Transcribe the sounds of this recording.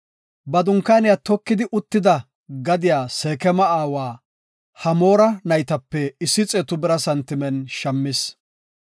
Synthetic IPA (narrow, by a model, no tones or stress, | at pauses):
bɐd̪ʊŋkːaːnɪjaːt̪ɔkːɪd̪ɪʔʊt̪ːɪd̪ɐ | ɡɐd̪ɪjaːseːkɛmɐaːwaː | hɐmoːɾɐnɐjt̪ɐpːɛɪsːɪt͡sʼeːt̪ʊbɛɾɐsɐnt̪ːɪmɛnʃɐmːɪs